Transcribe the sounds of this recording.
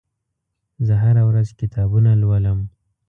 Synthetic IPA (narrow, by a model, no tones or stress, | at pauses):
zəɦaɾawɾazkɪt̪ʰɑbunalwələm